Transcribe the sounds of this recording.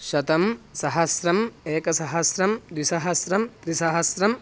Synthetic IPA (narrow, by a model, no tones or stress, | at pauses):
ʃɐt̪ɐmsɐɦɐsɾɐmeːkɐsɐɦɐsɾɐmd̪ʋisɐɦɐsɾɐmt̪ɾisɐɦɐsɾɐm